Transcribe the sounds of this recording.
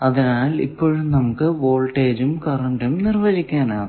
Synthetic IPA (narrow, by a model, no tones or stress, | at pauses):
ɐðinaːlḭpːo̞ːɻumnɐmukːɨʋo̞ːlʈeːd͡ʑumkɐrɐɳɖumnirʋɐd͡ʑikʲːaːnaːɳ